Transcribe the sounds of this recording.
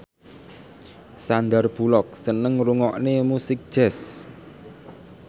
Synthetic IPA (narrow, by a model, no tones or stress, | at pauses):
sand̪arb̥ṳlɔk̚sənəŋruŋɔʔnemusɪk̚d̥ʒ̥ɛs